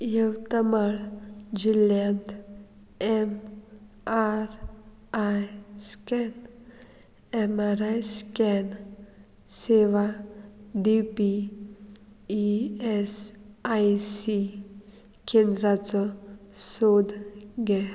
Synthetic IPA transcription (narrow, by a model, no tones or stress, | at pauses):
jəwt̪amaɭd͡ʒiljant̪ | ɛm | aɾ | ajskɛn | ɛmaɾajskɛn | seʋa | d̪ipi | iɛsajsi | kʰend̪ɾat͡səsod̪ɡe